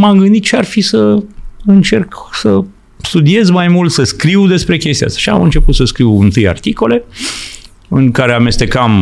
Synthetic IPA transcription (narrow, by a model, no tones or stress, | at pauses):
mamɡɨnd̪it̪̚t͡ʃearfisəɨnt͡ʃe̞rksə | st̪ud̪ie̞zmajmult̪səskɾiwd̪e̞spɾe̞kʲest̪ia̰t̪ḁʃia̰mɨnt͡ʃe̞put̪səskɾiwɨnt̪ɨja̰rt̪iko̞le̞ | ɨŋkaɾe̞ame̞st̪e̞kam